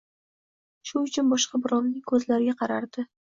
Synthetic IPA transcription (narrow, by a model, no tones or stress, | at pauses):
ʃʊʊt͡ʃʰʊnbɒʃqɑbɪɾɒnːɪŋkʰɵzlaɾɪɡʲaqʰɑɾaɾd̪ɪ